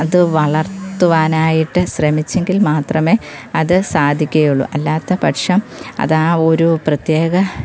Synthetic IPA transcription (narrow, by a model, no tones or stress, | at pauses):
ɐðɨʋɐɭɐrt̪ːuʋaːnaːjiʈːɨɕrɐmit͡ɕːe̞ŋɡilmaːt̪rɐme̞ːɐðɨsaːd̪ʱikʲːɐjuɭːṵʔɐlːaːt̪ːɐpɐʈʂɐmɐ̰ðaːo̞ɾuprɐt̪jeːɡɐ